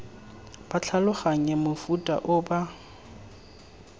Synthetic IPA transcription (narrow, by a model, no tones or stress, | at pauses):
b̥at͡ɬʰalʊχaŋɛmʊfutʼa̰ʔʊba